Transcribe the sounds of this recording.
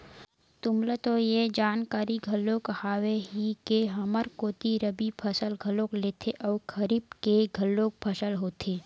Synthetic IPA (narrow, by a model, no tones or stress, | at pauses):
t̪ʊmlet̪ojed͡ʒaːnkaːɾiɡʱɐlːoːkhaːweɦikeɦɐməɾkoːt̪iɾəbipʰɐsəlɡʱəlokleːt̪ʰeʔɔːkʰɐɾiːb̚keɡʱɐlːoːk̚pʰəʃəlɦoːt̪ʰeː